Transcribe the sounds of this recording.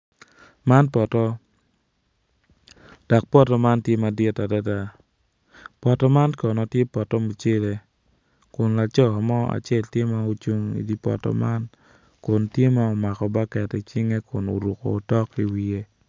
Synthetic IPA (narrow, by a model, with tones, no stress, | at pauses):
ma˦npɔ˨tɔ˦ | d̥a˨k̚pɔ˦tɔ˨ma˦ntje˦ma˨dɪ˦ta˨da˦da˦˨ | pɔ˨tɔ˦ma˦nkɔ˨nɔ˨tje˦pɔ˨tɔ˦mu˨t͡ʃe˦le˨ | kʊ˨nla˨t͡ʃɔ˦˨a˨mɔ˦a̰˨t͡ʃɛ˦ltje˦ma˦u˦t͡ʃu˦ŋḭ˨di˦pɔ̰˨tɔ̰˨ma˦n | kʊ˨ntje˦ma˦ɔ˨ma˨kɔ˨ba˦kɛ˨ti˨t͡ʃi˦ŋe˦kʰʊ˨no̰˨ɾu˨kɔ̰ː˨tɔ˦ki˦wi˦e˦